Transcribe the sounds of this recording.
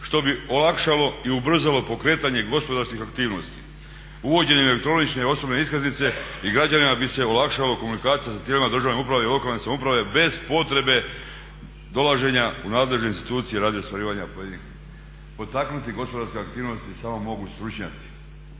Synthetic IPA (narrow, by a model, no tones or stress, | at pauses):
ʃt̪o̞bio̞lakʃalo̞iubr̩zalo̞po̞kɾe̞ːt̪aɲe̞ɡo̞spo̞d̪aɾskixakt̪iːʋno̞st̪i̥ | uʋo̞d͡ʑe̞ɲeelek̚t̪ɾo̞nit͡ʃne̞o̞snobne̞iskaznit̪se̞iɡɾad͡ʑanimabise̞o̞lakʃaloko̞munikaːt̪sijasat̪jelimad̪ɾr̩ʒaʋneupɾaʋe̞ilo̞kalne̞samupɾaʋe̞be̞z̥po̞t̪ɾe̞be̞ | d̪o̞laʒe̞ɲaunaːd̪le̞ʒne̞inst̪i̥t̪uːt̪sijeɾaːd̪ʋjiost̪ʋaɾiːʋaɲapojed̪ini | po̞t̪aknut̪iɡo̞spoaɾskeak̚t̪iːʋno̞st̪isamo̞mo̞ɡust̪ɾut͡ʃɲa̰t̪si̥